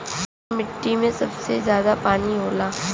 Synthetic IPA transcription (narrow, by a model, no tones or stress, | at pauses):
mɪʈːimẽsɐbsezjaːd̪apaːniɦoːlaː